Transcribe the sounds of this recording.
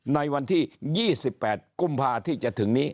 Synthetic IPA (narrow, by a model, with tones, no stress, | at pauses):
na˧jwa˧nt̪ʰiː˥˩jiː˥˩si˨˩pːɛː˨˩t̪̚ku˧mpʰaː˧t̪ʰiː˥˩t͡ɕa˨˩t̪ʰɯ˩˦ŋniː˦˥